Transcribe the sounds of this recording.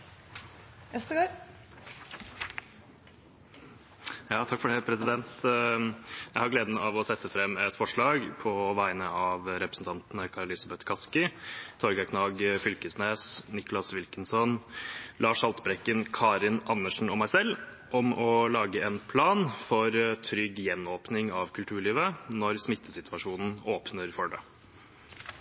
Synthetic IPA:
ɛst̪əɡo | jɑːt̪ʰɑkːfɔɖɛpʰɾɛsɪd̪ɛnt̪ | jæɪhɑɾɡleːd̪n̩ɑ̰ʋɔsɛt̪ːəfɾɛmːɛt̪ːfɔʂɭɑːɡpʰɔʋæɪnəɑʋɾɛpɾəsn̩t̪ɑnt̪nəkʰɑɾəlɪsɑbɛt̪kʰɑskɪt̪ʰɔɾɡɑkʰnɑːɡfʏlkəsneːsnɪkʊlɑsʋɪlkənsɔnlɑːʂɑlt̪bɾɛkːənkʰɑːɾɪnɑnːəʂɳ̩ɔmæɪsɛlː | ʔɔmɔlɑːɡəɛːnpʰlɑːnfɔɾt̪ʰɾʏɡːjɛnːoːpnɪŋɑʋkʰʉlt̪ʰʉːɭiːʋənɔɾsmɪt̪ʰːəsɪt̪ʰʉʋɑʂuːnn̩oːpnəɾfɔɖə̰

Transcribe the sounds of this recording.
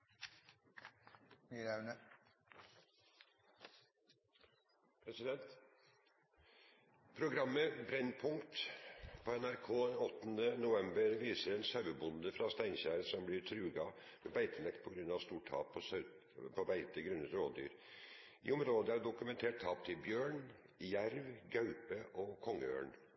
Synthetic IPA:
iɾænə | pʰɾɛsɪd̪ɛnt̪ | pʰɾʊɡɾɑmːəbɾɛnpʰʊŋkt̪pʰɔɛnæɾkʰoːɔt̪ːnənʊʋɛmbəɾʋiːsəɾɛnsɑʉəbʊnd̪əfɾɑst̪æɪnçæːɾəsɔmblɪɾt̪ʰɾʉːɡɑ | mɛbæɪt̪ʰəlɛkt̪̚pʰɔɡɾʉnːɑʋst̪uːʈʰɑ̰ːpʰɔs | pʰɔbæɪt̪əɡɾʉnət̪ɾoːd̪y̰ːɾ | ɪ̰ːɔmɾoːd̪əæɖʊkʉmɛnt̪ʰeːʈ̚t̪ʰɑːp̚t̪ʰɪlbjøːɳ | jæɾʋɡɑʉpəʔɔkʰɔŋːəø̰ːɳ

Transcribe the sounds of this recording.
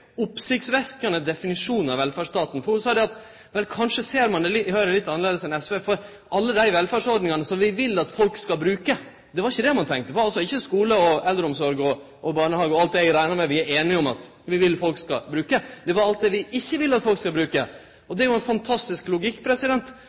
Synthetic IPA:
ʊpsɪçt̪sʋɛkənəd̪ɛfɪnɪʂuːnnɑʋɛlfæʂt̪ɑːt̪n̩fɔɾhʉsɑːd̪ɛɑt̪ | ʋɛlkʰɑnʂəseːɾmɑnd̪ɛlhøɾəlɪt̪ːɑnəleːd̪əsɛnɛsʋeːfɔɾ | ʔɑlːəd̪æɪʋɛlfæɖʂɔɾɖnɪŋɑnəsɔmʋɪʋɪlːəɑt̪fɔlkskɑlbɾʉːkə | d̪ɛʋɑɾɪçːəd̪ɛmɑnt̪ʰɛŋk̚t̪əpɔɑlsɔɪçːəskuːləɔɛld̪ɾəɔmsɔɾɡɔ | ʔɔbɑːɳəhɑːɡəɔɑlt̪d̪ɛæɡɾæɪnɑmɛʋɪæɾeːnɪɔmɑ̰t̪ | ʋɪʋɪlːfɔlkskɑ̰bɾʉːkəd̪ɛʋɑɾɑlt̪̚d̪ɛʋɪɪçːəʋɪlːəɑt̪fɔlkskɑbɾʉːkə | ɔd̪ɛæɾjʊɛnfɑnt̪ʰɑst̪ɪsklʊɡɪkːpʰɾɛsɪd̪ɛnt̪

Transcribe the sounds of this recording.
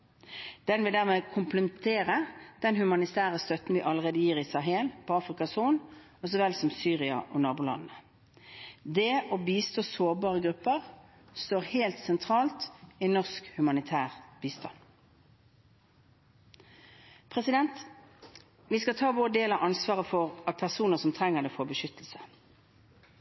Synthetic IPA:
d̪̥ɛnʋɪld̪æʁmeːkʰʊmpləmt̪ʰeːʁəd̪̥ɛnhʉmɑnɪt̪ʰæːʁəst̪œt̪nʋɪʔɑləʁeːd̪əjiːʁɪsɑɦeːlpʰɔɑːfʁɪkɑsuːn | ɔsɔʋɛlsɔmsyːʁɪɑ̰ʔɔnɑːbʊlɑ̰nnə | d̪eːʔɔbiːst̪oːsoːbɑːʁəɡʁʉpːəʁ | st̪oːʁheːlt̪sɛnt̪ʰʁɑːlt̪ɪnɔʁskhʉmɑnɪt̪ʰæːʁbiːst̪ʰɑ̰n | pʰʁɛsɪd̪ɛnt̪ | ʋiskɑt̪ʰɑːʋoːəd̪eːlɑʔɑnsʋɑːʁəfɔʁɑt̪̚pʰæʁsuːnəsɔmt̪ʰʁɛŋːəʁd̪ɛfoːbəʃʏt̪əl̩sə̥

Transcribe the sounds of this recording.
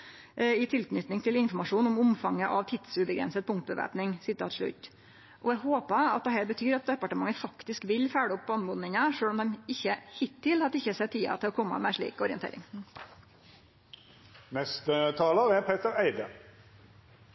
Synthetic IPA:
ɪt̪ʰɪlknʏt̪nɪŋt̪ʰɪlɪnfɔɾmɑʂuːnɔmʊmfɑŋːəʔɑʋt̪ʰɪd̪̥sʉbəɡɾɛ̰nsət̪̚pʰʊŋkt̪̚bəʋæ̰ːpnɪŋsɪt̪ʰɑ̰ːt̪ʂɭʉ̰t̪ː | ʔɔæhoːpəɑ̰t̪̚d̪ɛhɛːɾbət̪ʰyːɾɑt̪̚d̪ɛpɑʈəmɑŋːəfɑkt̪ɪskʋɪlfæːɽʊpbɑnmʊd̪nɪŋəʂøːlɔmd̪ɛmɪçːəhɪt̪ʰːɪlhɑt̪ɪçəsɛt̪ʰːiːɑ̰t̪ʰɪlɔkʰɔmːə̰mɛʂɭḭːkɔɾɪənt̪ḛːɾɪ̰ŋ | nɛst̪ət̪ʰɑːləʁɛpʰeːt̪əɾæɪd̪ə

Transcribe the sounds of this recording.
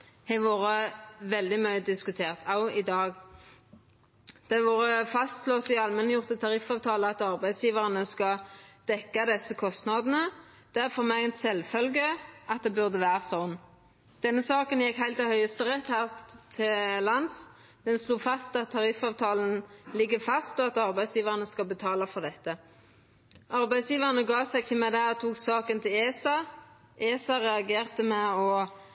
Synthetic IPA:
hɛʋoːʁəʋɛld̪ɪmœʏəd̪ɪskʉt̪ʰeːʁt̪ʰɑʊɪd̪ɑːɡ | d̪̥ɛʋoːʁəfɑst̪slɔt̪ɪɑlmɛnəjʊʁt̪ət̪ʰɑʁɪfɑːʋt̪ʰɑːləɑt̪ɑʁbæɪd̪sjiːʋəʁənəskɑd̪̥ɛkːɑd̪ɛsːəkʰɔst̪nɑd̪ən̩ə | d̪̥ɛæʁfɔʁmɛɡɛnt̪sɛlfœlɡəɑt̪̚d̪ɛbʉʁd̪əʋæːʁəsɔnː | d̪̥ɛnːəsɑːkənjɛkhæɪlt̪ɛhœʏəst̪əʁɛt̪hæːʁt̪ʰɪllɑns | d̪̥ɛnsluːfɑst̪ɑt̪ʰːɑʁɪfɑːʋt̪ʰɑːln̩lɪɡːəfɑst̪ɔɑt̪ɑʁbæɪsjiːʋəʁənəskɑlbət̪ʰɑːlɑfɔʁd̪ɛt̪ːə | ʔɑɾbæɪsjiːʋəʁənəɡɑːsɛɡçəmæd̪æʁt̪ʰuːksɑːkənt̪ʰɪleːsɑ | ʔeːsɑɾɛɑɡeːʁt̪əmɛɔ

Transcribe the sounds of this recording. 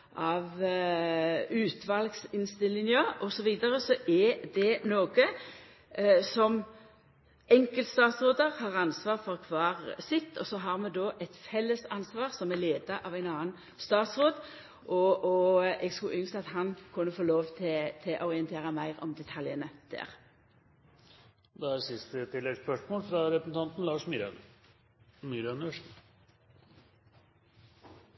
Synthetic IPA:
ʔɑʋ | ʉːt̪ʰʋɑlɡsɪnst̪ɪlːɪŋəɔsɔʋiːd̪ɑɾəsɔʔɛd̪ɛnoːɡə | sɔm | ɛŋkəlt̪st̪ɑːt̪sʁoːd̪əʁhɑːʁɑnsʋɑːʁfɔʁkʰʋɑːʁsɪt̪ʰːɔsɔɦɑʁmɛd̪oːʔɛt̪fɛlːəsɑnsʋɑːʁsɔmɛleːd̪ɑʔɑʋæɪnɑːən | st̪ɑːt̪sʁoːd̪ | ʔɔɔɛɡskʉʔʏnskɑt̪hɑnkʰʊnːəfoːloːʋt̪ʰɛt̪ʰɛʔɔʁɪənt̪ʰeːʁəmæɪʁɔ̰md̪ɛt̪ʰɑljənəd̪̥æ̰ːʁ | d̪ɛæɾsɪst̪ət̪ʰɪlːɛɡspœʂmoːlfɾɑɾɛpəsn̩t̪ʰɑnt̪n̩lɑːʂmɾ | myɾɑnəʂ

